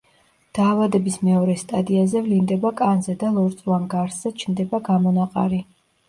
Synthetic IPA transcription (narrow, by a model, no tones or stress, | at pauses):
d̪̥aːvad̪ɛbismɛɔɾɛst̪ʼad̪iazɛvlind̪ɛbakʼanzɛd̪alˠɔɾt̪sʼvanɡaɾsz̥ɛt͡ʃʰnd̪ɛbaɡamɔnaqʼa̰ɾi